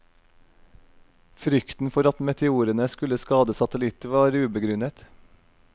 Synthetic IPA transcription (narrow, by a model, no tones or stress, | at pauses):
fɾʏkt̪n̩fɔɾɑt̪mɛt̪ʰɛuːɾənəskʉləskɑːd̪əsɑt̪əlɪt̪əʋɑːɾʉːbəɡɾʉnət̪